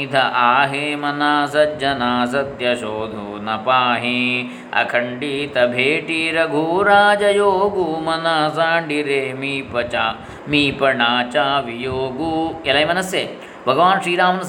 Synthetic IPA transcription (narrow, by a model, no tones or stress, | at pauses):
it̪ʰɐʔaːɦeːmɐnaːsɐd͡ʒɐnaːsɐd̪jɐʃoːd̪ʱuːnɐpaːɦe | ɐ̰kʰɐɳɖiːt̪ɐbʱeːʈiːɾɐɡʱuːɾaːd͡ʒɐjoːɡumɐnaːsaːɖiɾeːmiːpɐt͡ʃaː | miːpɐɳaːt͡ʃaːʋijoːɡuɐlɐimɐnɐsjeː | bʱɐɡɐʋaːnʃɾiːɾaːmɐnɐs